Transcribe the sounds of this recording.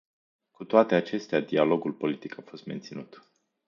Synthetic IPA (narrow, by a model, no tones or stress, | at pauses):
kut̪oat̪e̞at͡ʃe̞st̪ead̪ialo̞ɡulpo̞lit̪ikʰafo̞st̪me̞nt̪sinut̪